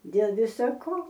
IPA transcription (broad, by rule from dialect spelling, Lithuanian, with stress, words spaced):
dʲeːlˠ ˈʋʲɪsɐ ˈkoː